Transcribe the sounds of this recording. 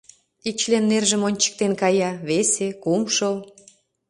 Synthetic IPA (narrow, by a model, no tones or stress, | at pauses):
ik̚t͡ɕlenːerʒə̆monʲt͡ɕə̥k̚t̪enkɑjɑβesekumʃəl